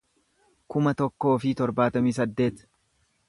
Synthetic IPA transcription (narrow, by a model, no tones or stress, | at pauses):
kʊmɐt̪ɔkːo̞ːfit̪ɔɾbaːt̪ɐmiːs̬ɐd̪ːe̞ːt̪